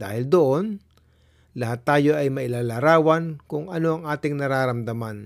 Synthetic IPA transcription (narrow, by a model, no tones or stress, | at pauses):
d̪a̰ːhɪld̪oʔo̞n | lɐhat̪ːaːjo̞ʔɐjmɐʔɪlaːlaɾaːwɐnkʊŋʔɐno̞ʔɐŋʔaːt̪ɪŋnɐɾaːɾɐmd̪ɐman